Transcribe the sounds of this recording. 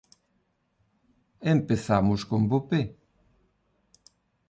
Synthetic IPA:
empeθamʊskombope

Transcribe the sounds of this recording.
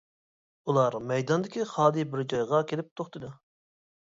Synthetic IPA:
ulˠɑɾmɛjd̪ɑnd̪ɪkʲiχɑːd̪ɨbɪɾd͡ʒɑjʁɑkʲʰelɪp̚t̪ʰoχt̪ɨd̪u

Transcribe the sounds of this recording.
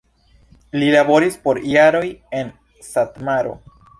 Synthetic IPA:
lilabo̞ɾispo̞ɾjaɾo̞je̞n | satmaɾo̞̰

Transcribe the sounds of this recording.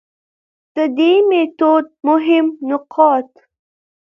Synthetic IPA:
d̪̥əd̪emet̪od̪̚mʊɦɪmnʊqʰɑt̪

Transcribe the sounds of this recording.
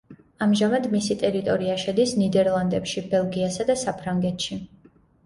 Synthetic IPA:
amʒamad̪misit̪ʼɛɾit̪ʼɔɾiaʃɛd̪isnid̪ɛɾlˠand̪ɛpʃibɛlˠɡiasad̪asapʰɾaŋɡɛt̪ʰʃi

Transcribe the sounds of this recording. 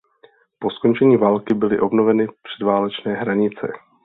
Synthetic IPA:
po̞sko̞nt͡ʃɛɲiːvaːlkɪbɪlɪʔo̞bno̞vɛnɪpr̥ɛdvaːlɛt͡ʃnɛːɦɾaɲɪt͡sɛ̰

